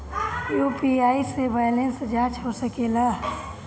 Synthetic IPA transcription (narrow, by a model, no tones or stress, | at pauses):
juːpiaːisebaːjlensd͡ʒãːt͡ʃɦosəkeːlaː